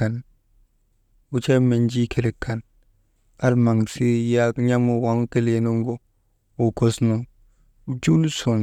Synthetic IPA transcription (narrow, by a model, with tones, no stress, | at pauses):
a˨n | wu˦t͡ʃe˦me˨nd͡ʒi˦kʰe˨ɾe˨kʰːa˨n | a˦lma˨ŋ˨si˦ja˦ɲa˦mu˨wa˨˦ŋ˦ke˦le˨˦no˦ŋɡo˦ | wo˨ko˦sno˨ŋ | u˨˦d͡ʒu˦lso˨n